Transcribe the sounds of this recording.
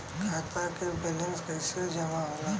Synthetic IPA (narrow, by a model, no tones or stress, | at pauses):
kʰaːt̪akebelə̃nskəɪsed͡ʒɐmaɦola